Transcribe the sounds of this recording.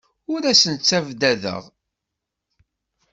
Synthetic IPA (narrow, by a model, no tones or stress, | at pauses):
ʊɾæsənt͡sːævd̪æðə̰ʁ